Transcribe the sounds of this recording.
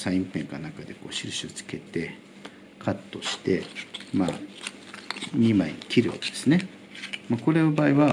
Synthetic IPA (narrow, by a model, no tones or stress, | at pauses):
sãĩmpẽ̞ŋkanakad̪e̞ko̞ːɕiɾɯ̟ɕiot͡sɨ̥ke̞t̪e̞ | kʰat̪ːo̞ɕi̥t̪e̞ma | ɲimaiɲikʲiɾɯ̟βa̰ke̞d̪̥e̞sɨne | mako̞ɾe̞obaːiβa